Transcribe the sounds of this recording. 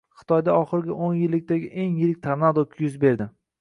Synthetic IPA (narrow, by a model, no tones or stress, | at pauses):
χɨ̥t̪ʰɒjd̪aɒχɨɾɪɡʲaʔonjɪlːɪk̚ʲt̪aɡʲɪʔe̞ŋjɪɾɪk̚ʲt̪ʰaɾnad̪okʲʰjʊzbe̞ɾd̪ɪ